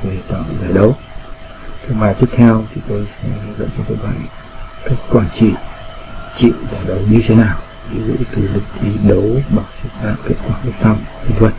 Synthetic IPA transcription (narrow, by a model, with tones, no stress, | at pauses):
ve˨˩t̪ɔ˨˩˨zaː˨˩jɗə˨˦w | k̪a˨˧˦maː˨˩jt̪i˦˥ət̪ʰɛ˧wt̪ʰi˨˩t̪o˧jsɛ̰˧˥zə̰˧˨nt͡ɕɔ˧k̪i˧˥k̚ɓa̰ː˧˨n | kaː˦˥k̚kwaː˧˩nt͡ɕḭ˧˨ | t͡ɕḭ˧˨zaː˨˩jɗə˨˦wɲɨ˧t̪ʰe˨˦naː˨˩w | vi˨˦vḭ˧˥t̪ɨ˨˩lɨ˨˩k̚t͡ɕi˧ɗə˨˦wɓa˨˩ŋ̚sɨ˦˥t̚na̰ː˧˨mke˦˥t̚kwaː˧˩fɨ˦˥ək̚t̪ʰa˧mi˨˧nzwə˧˨n̚